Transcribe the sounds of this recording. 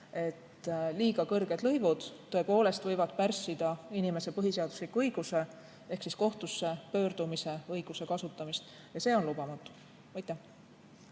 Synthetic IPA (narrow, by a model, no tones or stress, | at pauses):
e̞t̪liːɡ̥ɑkɤrɡ̥e̞d̪̥lɤjvud̪̥t̪ːo̞epo̞ːle̞st̪vɤjvɑd̪̥̚pærsːid̪̥ɑinime̞se̞pɤɦise̞ɑd̪uslikːˑuɤjɡ̥use̞ | e̞hksisko̞ht̪usːe̞pø̞ːrd̪̥umise̞ɤjɡ̥use̞kɑsut̪ˑːɑmist̪ | jɑse̞ːo̞nlubɑmɑt̪ːˑu̥ | mɑjt̪ːˑe